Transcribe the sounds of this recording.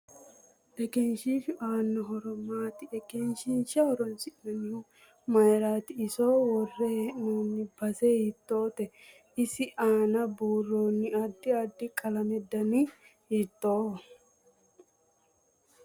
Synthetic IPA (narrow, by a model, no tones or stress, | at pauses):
ʔɛkɛnʃifʔaːnːɔɦɔɾɔmaːt̪ɪɛkɛnʃɪnʃɐhɔɾɔnsɪnɐnɪhʊ | mɐjɾaːt̪ɪːsowɔrːɛnoːnːɪbɐsɛhɪt̪ːo̞ːt̪ɛ | ɪsɪʔaːnɐbuːrːoːnːɪɐd̪ːɪɐd̪ːɪkʼɐlɐmɛd̪ːɐnɪ | hit̪ːoː